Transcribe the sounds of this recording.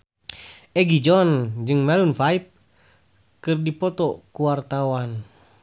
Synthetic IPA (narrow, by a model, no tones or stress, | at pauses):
ʔɛɡid͡ʒɔnd͡ʒɨŋmɛlunfaip̚ | kɨrdipɔt̪ɔkuwart̪awan